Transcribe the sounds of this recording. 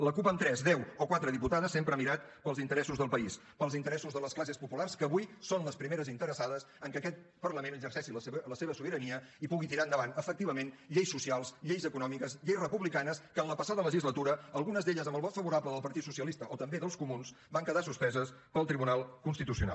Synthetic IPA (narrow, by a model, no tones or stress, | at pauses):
ləkupəmt̪ɾɛzðɛwokwat̪ɾəðiput̪aðəsːempɾəmiɾat̪̚pəlzint̪əɾɛsuzðəlˠpəis | pəlˠzint̪əɾɛsuzðələsklas̬espupularskəːβujsonləspɾimeɾəzint̪əɾəsaðəs | əŋkəkɛt̪̚ | pərləmenəɡzərsɛʃiləseβ̞əsuβəɾəniəipuɣit̪iɾaənd̪əβanəfək̚t̪iβəmenʎejsusialˠsʎejzəkunɔmikəzʎejsrəpuβlikanəskənləpəsaðələʒizlət̪uɾəəlˠɣunəzðeʎəzəmbəlˠβɔt̪fəβuɾapləðəlˠpəɾt̪it̪susiəlist̪əʔɔt̪əmbeðəlˠskumuns | baŋkəðasuspɛzəspəlˠt̪ɾiβunalˠkunst̪it̪usiuna̰l